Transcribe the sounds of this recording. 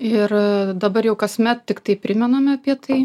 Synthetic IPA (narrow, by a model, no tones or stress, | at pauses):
ɪrd̪ɐbɐɾjɛʊkɐsʲmʲɛt̪̚tʲɪkt̪ɐɪpʲɾʲɪmʲɛnoːmʲɐpʲiɛt̪ɐɪ